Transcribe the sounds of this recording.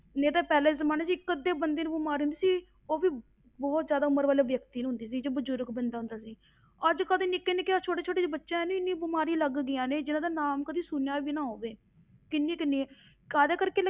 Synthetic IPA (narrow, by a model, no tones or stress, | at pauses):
neːd̪aːpɛːleːzəmaːnaːt͡ʃiːkːəd̪eːbənd̪eːnũːbɪmaːɾiːɦʊnd̪iːsiː | oːbiː | bɔːt̪zjaːd̪aːʊməɾʋaːleːʋjəkt̪iːnɦʊnd̪iːs̬iːd͡ʒoːbəd͡ʒʊɾkbənd̪aːɦʊ̃nd̪aːsiː | əd͡ʒkəd̪ẽːnɪkːeːnɪkeat͡ʃʰoːʈeːt͡ʃʰoːʈeːd͡ʒebətːʃãɛneːɪnːiːbɪmaːɾĩːləɡːɪjãːneːd͡ʒɪnãːd̪aːnaːmkəd̪iːsuːnjaːbiːnãːɦoːʋeː | kɪnːiːkɪnːiː | kaːd̪eːkəɾkeː